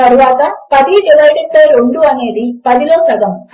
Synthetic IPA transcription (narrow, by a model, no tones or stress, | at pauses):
ɐɾuʋaːt̪ɐpɐd̪iɖiʋɐjɖɐpɐjɾoɳɖuɐne̞ːd̪ipɐðiloːsɐɡɐm